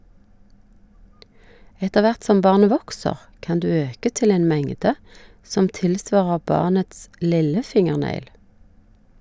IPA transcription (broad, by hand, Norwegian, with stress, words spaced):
ˈɛtə ˈʋæʁt ˈsɔm ˈbɑʁnə ˈʋɔksəʁ ˈkɑn ˈdʉː ˈøːkə ˈtɪl ˈeːn ˈmɛŋdə ˈsɔm ˈtɪlˌsʋɑːʁə ˈbɑːʁnəts ˈlɪləˌfɪŋəʁˌnæɪl